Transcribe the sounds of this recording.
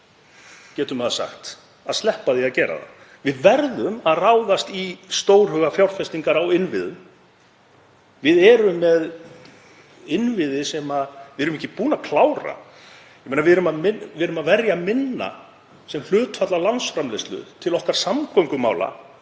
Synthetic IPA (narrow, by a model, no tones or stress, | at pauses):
cɛːt̪ʏmaðasa̰xt̪ | aðslɛhpaðiaðcɛːɾa̰ða̰ | vɪðvɛɾðʏmaðraːwðast̪ist̪oːwɾ̥ɦœːɣafjawr̥fɛst̪iŋkaɾawɪnvɪðʏm | vɪðɛɾʏmːɛð | ɪnvɪðɪsɛmavɪðɛɾʏmɪhcːɪpuːnakʰlaːwɾa̰ | jɛmeːnavɪðɛɾʏmaðmɪvɪɛɾʏmaðvɛɾjamɪnːa̰ | sɛml̥ʏːt̪fat̪lalansfɾamleslʏ̰ðt̪ʰɪlɔhkaɾ̥samkoŋkʏma̰ːwla̰